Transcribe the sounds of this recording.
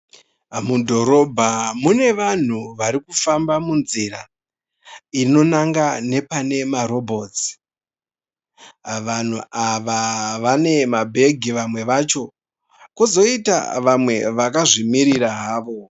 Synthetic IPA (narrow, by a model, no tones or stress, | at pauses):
mudʱo̞ɾo̞bʱamune̞ʋan̤uʋaɾikufambamunziɾa̰ | ino̞naŋɡane̞pane̞maɾo̞bʱo̞ːt͡si̥ | ʋan̤uʔaʋaʋane̞mabʱe̞ɡʱiʋamwe̞ʋat͡ʃo̞ | kozo̞ita̰ʋamwe̞ʋakaʐimiɾiɾaɦaːʋo̞